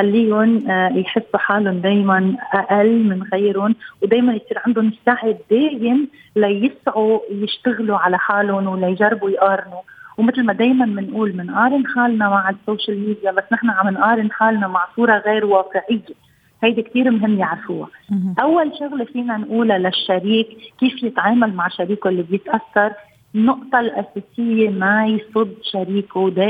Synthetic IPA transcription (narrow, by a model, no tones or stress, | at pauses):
xalːiːjʊnjħɪsːuħaːlʊnd̪eːjmanʔaʔalmɪnɣeːɾʊnwd̪eːjmanjsiːɾʕand̪ʊnɪsːaːħɪd̪eːjɪm | lajɪsʕujɪʃt̪aɣluʕalaħaːlʊnwlːajʒarˤːbujʔɑːɾˤnuwmɪt̪lmad̪eːjmanmɪnʔuːlmɪnʔɑːɾɪnħaːlnamaʕɪsːoːʃalmiːd̪jabasːnɪħnaʕamɪnʔɑːɾɪnħaːlnamaʕsˤuːɾˤɑɣeːɾwɑːqɨʕɪjːe | hajd̪ɪk̚t̪iːɾmɦɪmːjɪʕɾfuːa̰ʔawːalʃʊɣlefiːnanʔuːlalaʃːaɾiːkːiːfjɪt̪ʕaːmalmaʕʃːaɾiːkuʔlːibjɪt̪ʔaθːɑɾˤ | nːʊʔt̪ˤɑlʔaseːsɪjːemajsˤʊd̪ːʃaɾiːkud̪eː